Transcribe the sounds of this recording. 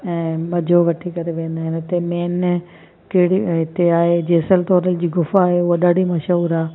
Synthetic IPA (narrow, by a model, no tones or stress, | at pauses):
ɛ̃ːmɐd͡ʑʱoʋɐʈʰikɐɾeʋẽːnd̪aːɦɪnt̪emɛːn | kɪɦɪɽiɦɪt̪eaːɦed͡ʑeːsəlt̪ɔːɾəld͡ʑiːɡʊfaːɦeʊɦaɗaɽimɐʃuːɾaː